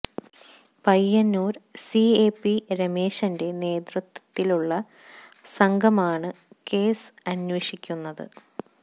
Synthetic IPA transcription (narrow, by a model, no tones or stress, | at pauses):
pɐjːɐnːuːɾsieːpːiɾɐme̞ːɕɐnde̞ne̞ːd̪rɐt̪wɐ̥t̪ːiluɭːɐ | sɐŋɡʱɐmaːɳɨ | ke̞ːsɐnʋɐʂikʲːunːɐðɨ̰